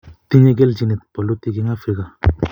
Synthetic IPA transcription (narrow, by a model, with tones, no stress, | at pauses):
t̪i˦ɲe˦ɡe˦ld͡ʒi˨ni˨t̪̚pɔ˨lo˦t̪i˦ɡi˦ŋa˦fɾi˦ka˨